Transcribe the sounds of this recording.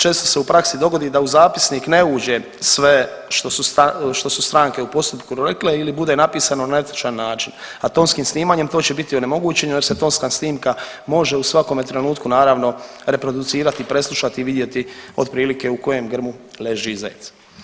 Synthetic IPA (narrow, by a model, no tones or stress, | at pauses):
t͡ʃe̞ːst̪o̞seupɾaksid̪o̞ɡo̞d̪iːd̪auzaːpisniːkne̞uːd͡ʑe̞ | sʋeʃt̪o̞sust̪aʃt̪o̞sust̪ɾaːŋke̞upo̞st̪upkuɾekleilibud̪e̞napiːsanonaet̪i̥t͡ʃanːaːt͡ʃinat̪o̞ːnskiːmsniːmaɲe̞mt̪o̞ːt͡ɕebit̪ione̞mo̞ɡuːt͡ɕe̞ɲuje̞ɾse̞t̪onskaːsniːmka | mo̞ʒe̞usʋako̞met̪ɾe̞nuːt̪kunaːɾaːʋno̞ | ɾe̞pɾo̞d̪ut̪siːɾat̪ipɾe̞slˠuʃat̪iːʋid̪je̞t̪io̞d̪pɾiːlike̞uko̞je̞mɡr̩mule̞ʒiiza̰et̪s